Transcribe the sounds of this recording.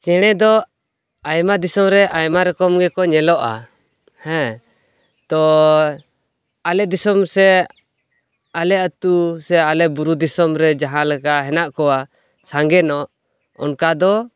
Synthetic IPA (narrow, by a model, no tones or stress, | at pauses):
t͡ʃɛɽ̃ɛd̪ɔ | ajmad̪isɔmɾɛʔajmaɾɛkɔmɡɛkɔɲɛlɔʔa̰ | hɛ̃ | t̪ɔ | alɛd̪isɔmsɛ | alɛət̪usɛalɛʔbuɾud̪isɔmɾɛd͡ʒaɦãlɛkaɦɛnaʔkɔwa | saŋɡɛnɔʔ | ɔ̰nkad̪ɔ